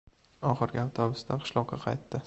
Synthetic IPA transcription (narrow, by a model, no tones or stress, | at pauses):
ɒχɨɾɡʲɪawt̪ʰɒbɪst̪ʰaqʰɨ̥ʃlˠɒq̚ːɑqʰɑ̰jt̪ːɪ